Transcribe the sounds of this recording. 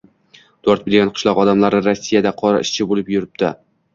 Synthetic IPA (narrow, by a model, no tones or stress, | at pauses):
d̪̥oɾt̪̚bɪlɡʲanqʰɨ̥ʃlɒqɒd̪amlaɾɪɾasːijad̪aqʰɒɾa̰ɪʃt͡ʃʰɪbolɪpjʊɾɪp̚t̪ɪ